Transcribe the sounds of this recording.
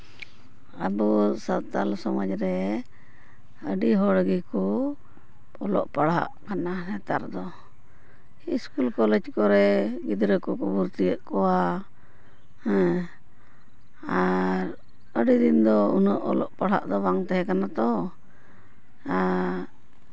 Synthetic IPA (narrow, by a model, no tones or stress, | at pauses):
əbusat̪alsɔməd͡ʒɾɛ | əɖiɦɔɽɡikɔ | ɔlɔ̰ʔpaɽɦa̰ʔkananɛt̪a̰ɾd̪ɔ | iskulkɔlɛd͡ʒkɔɾɛɡid̪ɾəkɔkubuɾt̪ijəʔkɔwa | hɛ̃ | aɾ | əɖid̪ind̪ɔunəʔɔ̰lɔʔpaɽa̰ʔd̪ɔbaŋt̪ɛɦɛkanat̪ɔ | a